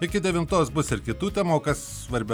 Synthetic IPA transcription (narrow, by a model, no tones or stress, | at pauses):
ɪkʲɪd̪ʲɛʋʲɪmt̪oːsbʊsɪɾkʲɪt̪uːt̪ʲɛmoːkɐssʋɐɾʲbʲɛ